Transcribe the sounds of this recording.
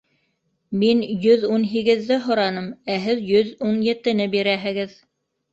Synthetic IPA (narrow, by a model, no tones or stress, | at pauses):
minjɵðunɦiɡɘ̆ðːɘɦŏɾɑnɤmæɦɘðjɵðunjɘ̆t̪ɘ̆nɘbiɾæɦɘ̆ɡɘð